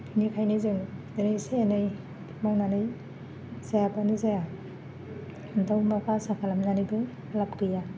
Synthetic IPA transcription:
nikʰajnizɯŋdenejsenɯj | mawnanɯj | zajabanizaja | dawmapʰasakʰalamnanibɯ | lapkɯja

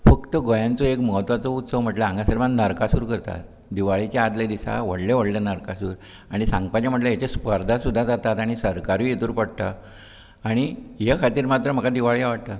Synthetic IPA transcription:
fəkt̪əɡojãnt͡soekməɦət̪ʋat͡sout̪səʋm̤əʈləãŋɡasəɾmannəɾkasuːɾkəɾt̪a̰t̪ | d̪iʋaɭit͡ɕaad̪led̪isa̰ʋəɽleʋəɽlenəɾkasuːɾ | aɽ̃isãŋɡ̚pat͡ɕjam̤əʈ̬ləjat͡ɕespəɾd̪ʱasud̪ʱːad͡zat̪at̪aɽ̃isəɾkaɾĩet̪uːɾpəɽt̪aː | ɽ̃ijekʰat̪iːɾmat̪ɾəm̤əkad̪iʋaɭijaʋaʈ̚t̪a

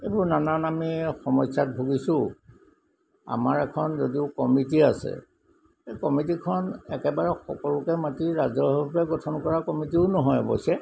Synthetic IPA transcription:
ebuɹnananamixɔmɔjsat̚bʱuɡisʊ̃ | a̰maɹɛkʰɔnzodiʊkɔmitiasɛ̰ | ejkɔmitikʰɔnɛkɛbaɹɛxɔ̰kɔlukɛmatiɹazɔɹɔpɛɡɔtʰɔnkɔɹakɔmitiʊnɔɦɔjbɔ̰jsɛ

